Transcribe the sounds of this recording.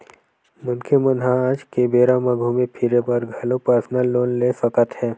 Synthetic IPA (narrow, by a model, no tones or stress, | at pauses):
mʊnkʰemənɦãaːd͡ʒkebeːɾamɐɡʱumẽpʰɪɾepəɾɡʱɐlopəɾsnəlːoːnleːsəkət̪ɦɛː